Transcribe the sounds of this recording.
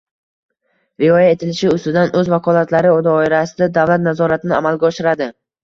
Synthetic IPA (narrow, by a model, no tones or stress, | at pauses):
vɪɒjaet̪ʰɪlɪʃɪʊst̪ɪd̪anʔɵzvakʰɒlˠat̪ʰlaɾɪod̪ɒːɪɾasɪd̪ad̪avlat̪̚nazɒɾat̪ʰɪnɪamalɡʲaɒʃɪɾad̪ɪ